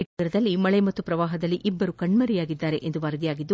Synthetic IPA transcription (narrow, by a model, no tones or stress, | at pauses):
iʈːɐɾɐd̪ɐlːimɐɭemɐt̪ːupɾɐʋaːɦɐd̪ɐlːiʔibːɐɾukɐɳmɐɾijaːɡid̪ːaːɾe̞ʔend̪uʋaːɾd̪ijaːɡid̪ːu